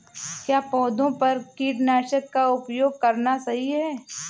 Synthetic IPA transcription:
kjaːpɔːd̪õpɐɾkiːʈnaːʃəkːaʊpjoːɡ̚kɐɾnasɐɦiɦɛː

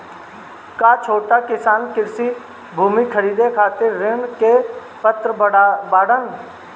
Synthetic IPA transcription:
kat͡ʃʰoːʈakɪsaːnkɪɾsi | bʱuːmikʰəɾiːd̪ekʰaːt̪ɪɾːɪɳke | pət̪ɾəbaːɽən

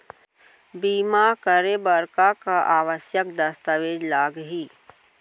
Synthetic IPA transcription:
biːmakəɾebəɾkakaʔaːʋəsjəkd̪əst̪əʋeːd͡ʒlaːɡɦiː

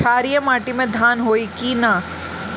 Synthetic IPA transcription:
aːɾijəmaːʈimẽd̪ʱaːnɦoːikina

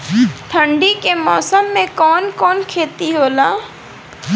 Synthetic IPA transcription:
ʈ̪ʰə̃ɳɖikemɔːsəmːẽkɔːnkɔːnkʰeːt̪iɦoːlaː

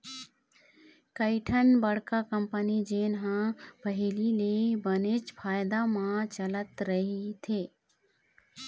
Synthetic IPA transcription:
kəɪʈʰənbəɽ̤kakəmpənid͡ʒeːnɦãpəɦɪlilebənet͡ʃpʰaːjd̪amãt͡ʃələt̪ɾəɦit̪ʰeː

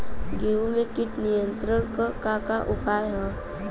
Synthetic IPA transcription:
ɡeumekiːʈ̪nijənt̪ɾəɾkəkakaʔupajɦə

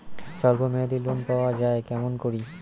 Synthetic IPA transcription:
ʃɔlbomead̪ilonpaoad͡ʑaekɛmonkoɾi

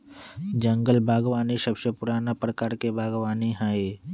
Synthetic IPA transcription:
d͡ʒə̃ŋɡəlbʱaːɡʋaːnisɐbʃəpʊɾaːnapɾəkaːɾkebʱaːɡʋaːniɦae

